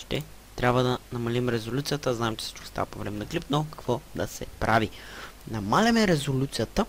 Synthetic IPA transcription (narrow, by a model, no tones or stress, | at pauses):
ʃt̪ɛ | t̪ɾʲabvəd̪ɐnɐmɐlimɾɛzolʲut̪sijət̪əznaɛmt͡ʃɛ̥sə̥t͡ʃkɔ̥st̪a̰ɐpovɾɛmɛnɐklipnokɐ̥kvɔd̪ɐsɛpɾʔavinɐmalʲɛmɛɾɛzolʲut̪sijat̪ə